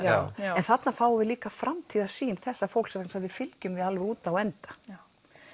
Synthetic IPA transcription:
ɛnθat̪nafaːwavɪðliːkafɾʔamt̪ʰiːðasiːnθɛsːafow̪sɛmansavɪfɪlcʏmvɪðalvɪuːt̪awɛnt̪ḁ

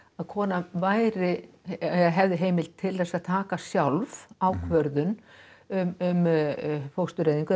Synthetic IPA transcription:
aðkʰɔːnavaːjɾɪ | ɦɛvðɪɦeːjmɪlt̪ʰɪlðɛsaðt̪ʰaːkasjawlvawkʰvœɾðʏnʏmʏmfowst̪ʏɾejðiŋkʏ

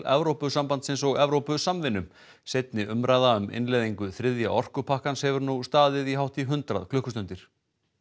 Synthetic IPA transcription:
ɛ̰vɾowpʏsampant̪sɪns̬ɔɣɛvɾowpʏsamvɪnːʏm | sejt̪nɪʔʏmɾaːjðaʏmʔɪ̰nlejðiŋkʏθɾɪðja̰ʔɔr̥kʏpʰahkanshɛvʏɾnust̪aːðɪðiɦawht̪iɦʏnt̪ɾaðkʰlʏhkʏst̪ʏnt̪ɪɾ̥

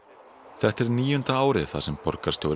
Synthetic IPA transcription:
θɛht̪ɛɾniːjʏnt̪aaːwɾɪðθaðsɛmpɔɾkaɾst̪jowɾ

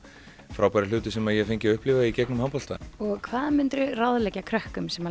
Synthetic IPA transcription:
fɾawpajɾɪlʏːt̪ɪsɛmaðjɛɣfeɲcɪʏhplɪvaicɛknʏmhampɔlt̪a̰ɔɣkʰvaːðamʏnt̪ɾʏrawðlɛcakʰɾœhkʏmsɛma

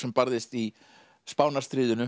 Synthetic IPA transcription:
ɛmpaɾðɪst̪i | spaːwnast̪ɾiːðʏnʏ

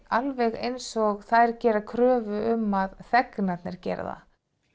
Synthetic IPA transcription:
alvɛɣejnsɔɣθaðɛɾcɛːɾakʰɾœːvʏʏmːaðθɛknat̪nɛɾ̥cɛ̰ːɾa̰ða̰

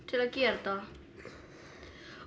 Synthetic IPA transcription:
sielækiert̪oɑː

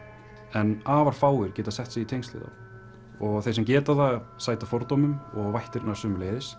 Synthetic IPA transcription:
ɛnaːvaɾ̥faːwɪɾ̥cɛːt̪asɛht̪sɪɣit̪ʰejŋst̪lɪ̰ða̰ | ɔɣθejsɛmcɛːt̪aθaɣsaːjt̪afjɔɾt̪owmʏmɔɣvajht̪ɪɾnajsʏmleːðɪs

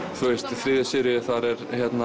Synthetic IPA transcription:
θvest̪fɾiːðɪsɪɾɪθaɾɛɾçjɛt̪na

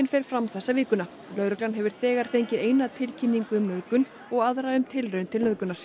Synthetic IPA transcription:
ɪnfɛːɾ̥fɾamθɛsːavɪːkʏna | lœɥɾʏklanɦɛvʏɾ̥θɛːɣaɾ̥θejɲcɪeːjnaðt̪ʰɪlcʰinːiŋkʏʏmnœðkʏn | ɔɣaðɾaʏmt̪ʰɪlrœʏnt̪ʰɪlnœðkʏnaɾ̥

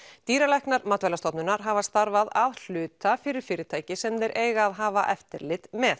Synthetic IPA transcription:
t̪iːɾalɛjhknaɾmat̪vɛlast̪ɔt̪nʏnaɾ̥ɦaːvast̪aɾvaðaðl̥ʏːt̪afɪɾɪɾ̥fɪːɾɪt̪ʰaːjcɪsɛmðɛɾʔeːjɣaːðɦaːvaʔɛft̪ɪɾlɪt̪mɛθ

